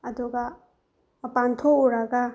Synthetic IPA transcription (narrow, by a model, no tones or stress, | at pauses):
ɐd̪uɡa | mɐpant̪ʰouɾaɡa